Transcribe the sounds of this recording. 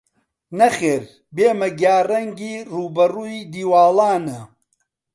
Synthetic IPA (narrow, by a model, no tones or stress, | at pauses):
nɐxeːɾ | beːmɐɡjaːrɐŋɡiːruːbɐruːjd̪iːwaːlaːnɐ